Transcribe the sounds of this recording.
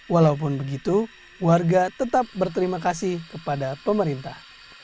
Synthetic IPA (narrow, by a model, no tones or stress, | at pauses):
walaup̬ʊnbəɡit̪u | warɡat̪ət̪ap̚bərt̪̬əɾimakasɪhkəpadapəməɾint̪ah